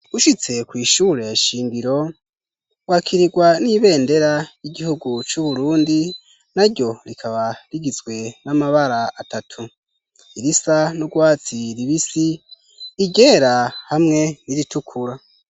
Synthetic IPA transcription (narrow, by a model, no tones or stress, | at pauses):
uʃit͡se̞kwiːʃuːɾe̞jaʃiːŋɡiɾo̞ | wakʰiɾiɡwaniβe̞ːnde̞ɾajiɡihuɡut͡ʃuβuɾuːndi | naɾɟo̞ɾikʰaβaɾiɡizɡwe̞namaβaɾaːtatʰu | iɾisanuɡwaːt͡siɾiβisiː | ɟe̞ɾahamŋe̞niɾitʰukʰuɾa